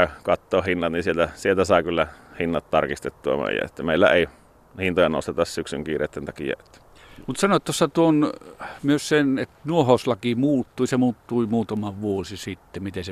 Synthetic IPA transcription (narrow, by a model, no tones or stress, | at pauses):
ɑkɑt̪ːoːhinːɑt̪ninsielt̪æsielt̪æsɑˑekylːæhinːɑt̪t̪ɑrkist̪et̪ːuɑ̰mø̰ˑijæ̰et̪ːæmeˑilːæ̰eˑi | hint̪ojɑno̰st̪et̪ɑssyksy̰ŋkiːrḛːt̪ːent̪ɑkḭæ̰et̪ːæ̥ | mut̪sɑnoˑet̪t̪osːɑt̪uonmyøssenet̪nuohoslɑkimuːt̪ːuisemuːt̪ːuimuːt̪ɑmɑʋʋuosisit̪ːemit̪ese